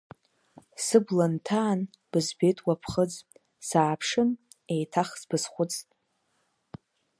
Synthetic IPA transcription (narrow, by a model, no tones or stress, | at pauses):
sɨblantʰaːn | b̥ɨzbe̞tʼwapʰχəd͡z | saːpʰʂɨn | ejtʰaχsbɨzχʷʊt͡sʰʼtʼ